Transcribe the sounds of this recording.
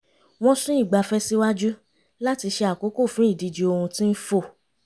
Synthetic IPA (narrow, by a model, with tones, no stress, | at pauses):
w̃ɔ̃˦sũ˦i˦˨ɡ͡ba˧˨fɛ˦si˦wa˦d͡ʒu˦ | la˦ti˧ʃe˧a˨ko˨˦ko˦˨fũ˦i˦˨di˨˧d͡ʒi˧o˧hũ˧tĩ˦n̩˦fo˦˨